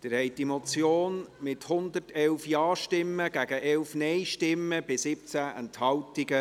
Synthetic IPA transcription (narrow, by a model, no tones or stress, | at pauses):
d̥ɪɾhɛj̚d̥imot͡sjoːnmɪthʊnd̪əɾtɛlfjɑːʃtɪmːəɡ̥æɡ̥əʔɛlfnɛɪʃtɪmːəb̥ɪsɪp̚t͡sæʔɛ̰nthɑwtɪɡə